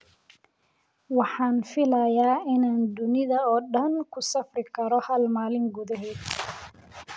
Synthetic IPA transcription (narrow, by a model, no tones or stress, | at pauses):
wɑħɑːnfɪlɐjaːɪnaːnd̪ʊnɪðɐɔːɖɐnkʰʊsɐfrɪkʰɐɾɔhɐlmaːlɪŋɡuːðɐɦɛːd̪